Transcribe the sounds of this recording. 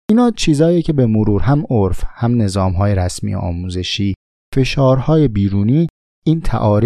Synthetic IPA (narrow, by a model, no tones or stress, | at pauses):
ʔiːnɒːt͡ʃʰiːzɒːjicʰe̞be̞moɾuːɾɦæmoɾfhæmne̞zɒːmɦɒːje̞ɾæsmḭjḛʔɒ̰ːmuːze̞ʃiː | fe̞ʃɒːɾhɒːje̞biːɾuːniː | iːnt̪ʰæ̰ʔɒːɾi